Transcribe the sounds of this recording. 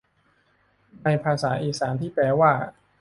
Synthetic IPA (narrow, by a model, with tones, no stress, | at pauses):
na˧jpʰaː˧saː˩˦ʔiː˨˧saː˩˦nt̪ʰiː˥˩pɛː˧waː˥˩